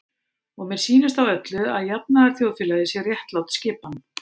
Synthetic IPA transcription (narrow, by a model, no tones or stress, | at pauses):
ɔɣmɛɾ̥siːnɪst̪awœt̪lʏaðjap̚naɣaɾ̥θjoːwðfjlaðɪsjɛɣrjɛht̪lawt̪scɪːpan